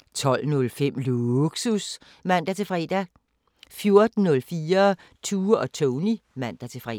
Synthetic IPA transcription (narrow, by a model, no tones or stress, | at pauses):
t͡sʰɒ̽l̰nɔ̽lfem̰luɡ̥sus | mæn̰d̥æt͡sʰe̝fʁɛ̰ːd̥æ | fjo̝ɐd̥n̩ːɔ̽lfiːɐ | t͡sʰuːɒ̽t͡sʰɔʊnimæn̰d̥æt͡sʰe̝fʁɛ̰